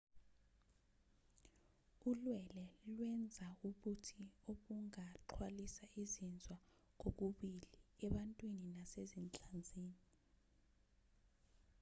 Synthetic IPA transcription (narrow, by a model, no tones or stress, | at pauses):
ulwɛlɛlwɛnd͡zʱaukutʰioɓuŋaǃʰwalisaizind͡zʱwa | k̬ok̬uɓiliɛɓantʼwininasezint͡ɬʼand͡zʱiːni